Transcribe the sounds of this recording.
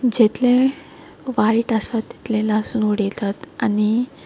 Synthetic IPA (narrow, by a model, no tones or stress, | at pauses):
d͡ʑet̪lẽ | ʋaiʈəst̪at̪ːi̥t̪lẽlasunoɽet̪at̪ani